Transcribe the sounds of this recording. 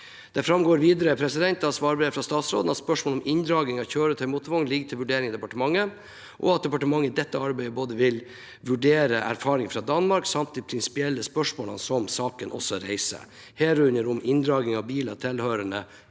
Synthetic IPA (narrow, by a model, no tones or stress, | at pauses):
d̪̥ɛfɾɑmɡoːɾʋiːd̪əɾəpʰɾɛsɪd̪ɛnt̪ɑsʋɑːɾbɾeːfɾɑst̪ɑːt̪sɾo̰ːd̪n̩ɑt̪spœʂmoːlɔmɪnd̪ɾɑːɡɪŋɑʋçøːɾət̪ʰɛɾɪmuːt̪ʋɔŋlɪɡt̪ʰɪlʋʉɖeːɾɪŋɪd̪ɛpɑʈəmɑŋːə | ʔɔ̰ɑt̪̚d̪ɛpɑʈəmɑŋːəɪd̪ɛt̪ːəɑɾbæɪəboːd̪əʋɪl | ʋʉɖeːɾəʔæ̰ɾfɑːɾɪŋfɾɑd̪ɑnmɑɾksɑmt̪̚d̪ipʰɾɪnsɪ̥pɪɛlːəspœʂmoːlə̰nsɔmsɑːkənʔɔ̰sɔɾæɪsə̰ | heːɾʉnəɾʊmɪnd̪ɾɑːɡ̪ɪŋɑʋbiːlɑt̪ʰɪlhøːɾəɳə